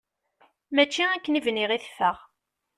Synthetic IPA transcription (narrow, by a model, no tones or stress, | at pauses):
mæt͡ʃːiækːənivniʁiθfəʁ